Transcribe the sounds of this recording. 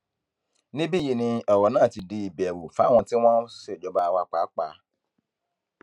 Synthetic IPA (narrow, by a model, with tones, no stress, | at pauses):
nĩ˦bi˦˨ji˨nĩ˧ɔ˨wɔ˨nãː˦˨ti˨di˧i˨bɛ˨wu˨fa˨˦w̃ɔ̃˧ti˦w̃ɔ̃˦se˦˨d͡ʒɔ˨ba˦˨wa˦k͡pa˨˦k͡pa˨˦